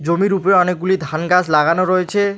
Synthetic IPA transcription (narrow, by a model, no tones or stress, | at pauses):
d͡ʑomiɾupɾeɔnek̚ɡulid̪ʱanɡaslaɡanoɾoet͡ɕʰe